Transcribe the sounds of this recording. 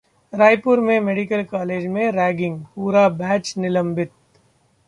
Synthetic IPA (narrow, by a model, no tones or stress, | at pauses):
ɾaːjpʊɾmẽmeːɖɪkəlkaːleːd͡ʒmẽɾɛːɡɪ̃ŋɡpuːɾabɛːt͡ʃnɪlə̃mbɪt̪̚